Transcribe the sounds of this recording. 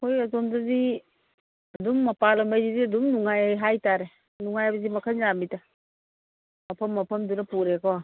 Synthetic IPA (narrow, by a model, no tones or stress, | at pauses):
hojɐtomdɐzi | ɐduŋːɐpalɐmbajziziɐduŋnuŋajajɦajtaɾe | nuŋajajbɐzimɐkʰanzamitɐ | mɐpʰɐmːɐpʰɐmdunɐpuɾekɔ